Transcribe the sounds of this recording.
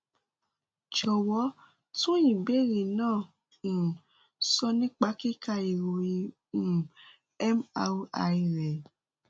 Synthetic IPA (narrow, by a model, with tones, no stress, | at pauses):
t͡ʃɔ˨wɔ˨˦ | tũ˦jĩ˨be˦˨ɾi˨nãː˦˨ | n̩˨ | sɔ˧nĩ˦k͡pa˦ki˦ka˧i˨ɾo˨i˧˨ | ɛ˦ma̰˧˦a̰˧˨i˧ɾɛ˨